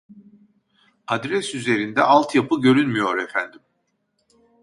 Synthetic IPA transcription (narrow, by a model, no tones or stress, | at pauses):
ad̪ɾɛsyze̞ɾind̪ɛʔalˠt̪ʰjapʰɯɟø̞ɾynmyjo̞ɾɛfænd̪im